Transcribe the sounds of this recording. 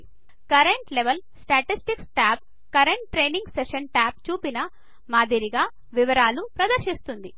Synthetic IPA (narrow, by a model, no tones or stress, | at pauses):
kɐɾeɳʈleʋɐl | sʈaːʈisʈiksʈaːp̚ | kɐɾeɳʈʈɾeːniŋɡseʃɐnʈaːp̚t͡ʃuːpinɐ | maːd̪ʱiɾiɡaː | ʋiʋɐɾaːlupɾɐd̪ɐɾʃist̪und̪i